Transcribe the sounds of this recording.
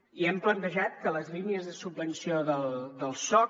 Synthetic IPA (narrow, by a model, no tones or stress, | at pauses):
iɛmplənt̪əʒat̪̚kələzliniəzðəsubbənsioðəlˠd̪əlˠsɔ